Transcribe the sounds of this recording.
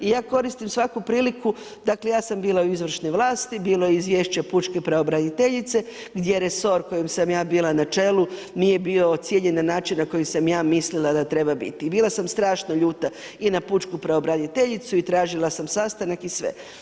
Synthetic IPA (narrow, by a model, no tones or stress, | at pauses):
ijaːko̞ɾist̪imsʋakupɾiːliku | d̪akle̞jaːsambiːlˠauizʋr̩ʃneʋlˠaːst̪ibiːlo̞jeizʋjeːʃt͡ɕeput͡ʃkepɾeobɾanit̪e̞ʎit̪se̞ | ɡd̪jeɾe̞so̞ɾko̞jemsamjaːbiːlˠanat͡ʃe̞ːlu | nije̞biːot̪sʲjeʎenanaːt͡ʃinnako̞jisamjaːmislilˠad̪at̪ɾe̞babḭt̪ibiːlˠasamst̪ɾaːʃnoʎuːt̪a | inaput͡ʃkupɾeobɾanit̪e̞ʎit̪suit̪ɾaːʒilasamsast̪anakisʋḛ